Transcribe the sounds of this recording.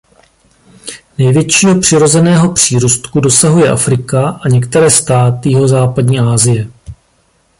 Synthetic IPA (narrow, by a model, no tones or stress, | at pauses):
nɛjvjɛt͡ʃiːɦo̞pr̥ɪɾo̞zɛnɛːɦo̞pr̝̥iːɾust̪kudo̞saɦujɛʔa̰fɾɪkaʔaɲɛkt̪ɛɾɛːst̪aːt̪ɪjɪɦo̞zaːpadɲiːʔaːzɪjɛ